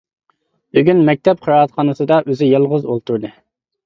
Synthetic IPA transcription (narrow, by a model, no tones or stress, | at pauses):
byɡʲynmɛk̚ʲt̪ʰɛp̚qʰəɾɑɑt̪qʰɑnɨsɨd̪ɑʔøzɪjɑlˠʁʊzolˠt̪ʰuɾd̪ɨ